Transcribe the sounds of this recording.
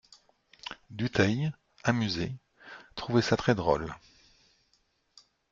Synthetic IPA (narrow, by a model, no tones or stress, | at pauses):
d̪yt̪ɛj | amyze | t̪χuvɛsat̪χɛd̪ʁɔ̰l